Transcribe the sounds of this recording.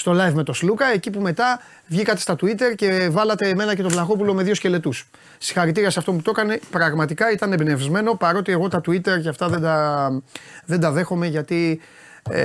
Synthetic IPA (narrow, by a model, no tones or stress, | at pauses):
st̪o̞lɐjvme̞t̪o̞slukɐe̞cipume̞t̪ɐ | vʝikɐt̪e̞st̪ɐt̪uit̪e̞ɾce̞vɐlɐt̪e̞ːme̞nɐce̞t̪olɐxo̞pulo̞meðʝo̞sce̞le̞t̪us | si̥xɐɾit̪iɾiɐsɐft̪omput̪o̞kɐne̞pɾɐɣmɐt̪ikɐit̪ɐnebinevzme̞no̞pɐɾo̞t̪ieɣo̞t̪ɐt̪uit̪e̞ɾceɐft̪ɐðe̞nd̪ɐ | ðend̪ɐðe̞xo̞me̞ʝɐt̪i